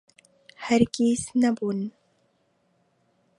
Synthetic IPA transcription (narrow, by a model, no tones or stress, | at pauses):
hæɾkiːsnɐbuːn